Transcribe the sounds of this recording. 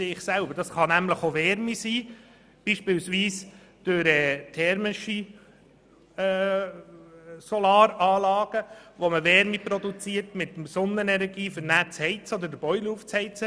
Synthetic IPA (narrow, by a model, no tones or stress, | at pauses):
seːɪχsælbəɾd̥ɑsχɑnæmləχoʋɛɾmisiː | b̥iːʃpɪlsʋiːs | d̪̥øɾɛːt̪ʰɛɾmɪʃi | ɛː | sɔlɑːɾɑːlɑːɡ̥əʋoməʋɛɾmipɾɔd̪ut͡siːəɾtmɪt̪msɔnːənɛnɛɾɡiːfəɾnæt͡shɛɪt͡səɔd̪ədəb̥ɔʏluːft͡shɛɪt͡sə